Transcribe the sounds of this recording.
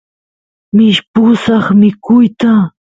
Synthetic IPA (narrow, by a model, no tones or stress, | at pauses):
mɪʃpʊsɑχmɪkʊjt̪a